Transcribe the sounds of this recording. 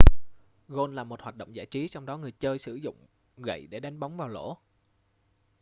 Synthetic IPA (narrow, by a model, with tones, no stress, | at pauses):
ɣo˧nlaː˨˩mo˨˩t̚hwaː˨˩t̚ɗə̰˧˨wŋ͡mza̰ː˧˩jt͡ɕi˨˦t͡ɕɔ˧wŋ͡mɗɔ˨˦ŋɨ˨˩əjt͡ɕəː˧jsɨ̰˧˩zʊ̰˧˨ŋ͡m | ɣə̰˧˨jɗe˧˩ɗa˨˦jŋɓa˨˦wŋ͡mvaː˨˩wlo̰˧˥